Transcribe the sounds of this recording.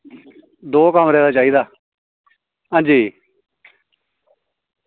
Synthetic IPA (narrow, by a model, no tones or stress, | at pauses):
d̪oːkəmɾɛːd̪aːt͡ʃaːiːd̪aː | ɦãːnd͡ʒiː